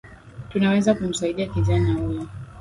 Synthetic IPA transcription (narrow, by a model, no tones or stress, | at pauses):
tunawɛzakum̩saiɗiakiʄanahujɔ